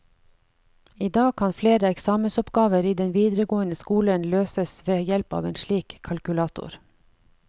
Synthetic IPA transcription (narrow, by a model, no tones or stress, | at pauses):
iːd̪ɑːɡ̚kʰɑnfleːɾəɛksɑːməsɔpɡɑːʋəɾiːd̪ɛnʋiːd̪ɾəɡoːənəskuːlənløːsəsʋeːjɛlpɑ̰ːʋeːnʃliːkʰːɑlkʉlɑːt̪ʊ̰ɾ